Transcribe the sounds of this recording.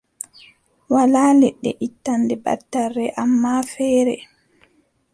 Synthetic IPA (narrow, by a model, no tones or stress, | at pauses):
walaːlɛɗːɛ̰ʔitːandɛba̰tːarːɛʔamːafɛːɾɛ̰